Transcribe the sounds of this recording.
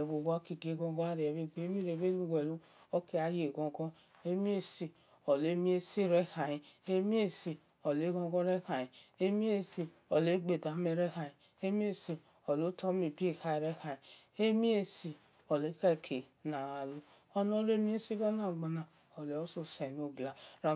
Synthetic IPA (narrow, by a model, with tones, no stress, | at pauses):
e˨βo˨ɡa˦ki˨ɡe˨˦ɡɔ̃˦ɡɔ˦a˦ɾi˨e˨βe˦ɡ͡be˨˦mi˦ɾe˨βe˦lu˦we˨lu˦ | o˦ke˦a˨˦je˨ɡɔ̃˨ɡɔ˦ | e˦mi˦e˦si˨ | o˨le˦mi˦e˦se˦˨ɾe˦ha˨ji˨e˦mi˦e˦˨si˨ | o˨le˨˦ɡɔ̃˧˦ɡɔ˦ɾe˦ka˨ji˨e˦mi˦e˦˨si˨ | o˨le˨˦ɡ͡be˨da˨˦me˦ɾe˦ka˨ji˨ | e˦mi˦e˦si˨ | o˨lo˨˦tʰo˦mi˨bi˦e˦˨ka˦i˨ɾe˦ka˨ji˨ | e˦mi˦e˦si˨ | o˨le˦ka˦˨kʰe˨na˨a˨lu˦ | o˦no˦le˦mi˦e˦si˦ɡa˦na˨ɡ͡ba˨na˨ | o˨le˨o˦so˦se˨no˨bla˨ɾa˨